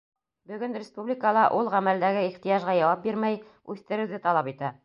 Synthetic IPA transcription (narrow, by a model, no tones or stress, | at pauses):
bɵ̆ɡɵnrʲɪspublʲɪkəlˠɑʔulˠʁæmæld̪æɡɘiχt̪ɤjɑʒʁɑjɑwɑp̚biɾmæj | ʉθt̪ɘ̆ɾɘ̆wðɘt̪ɑlˠɑpit̪æ